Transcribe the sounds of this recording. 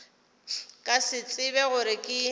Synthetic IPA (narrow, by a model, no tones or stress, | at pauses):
kʼasɪt͡sʼɪbɛɣʊɾɪkʼɪ